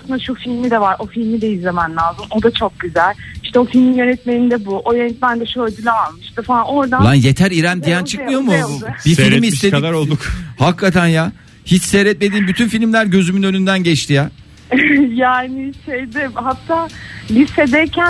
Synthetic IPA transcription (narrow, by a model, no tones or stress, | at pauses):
asɯnd̪aʃufilʲmid̪ɛvaɾo̞filʲmid̪ɛjiemanlʲaːzɯmo̞d̪at͡ʃʰo̞k̚ɟyzælʲiʃt̪ʰɛo̞filʲminjø̞nɛt̪̚menind̪ɛbuʔojønɛt̪̚mænd̪ɛʃøɾd̪ylʲɛalˠmɯʃt̪ɯfalˠano̞ɾd̪alˠanje̞t̪ʰæɾiɾænd̪ijænt͡ʃʰɯkmɯjo̞muɯbifilʲmiist̪ed̪aɾolˠd̪ukhakʰːat̪ʰænja | hit͡ʃsejɾɛt̪̚me̞d̪iːnbyt̪ʰynfilʲmlʲæɾɟø̞zymynø̞nynd̪ænɟɛt͡ʃt̪ʰija | jaːnɪʃejd̪ɛmhat̪ʰːaːlʲised̪ɛɾcʰæ